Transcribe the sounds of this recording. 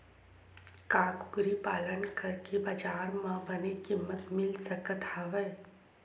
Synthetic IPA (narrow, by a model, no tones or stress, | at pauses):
kaːkʊ̥ɡɾipaːlənkɐɾkebaːd͡ʒaːɾmãbɐnekɪmːət̪mɪlsəkət̪ɐʋɛː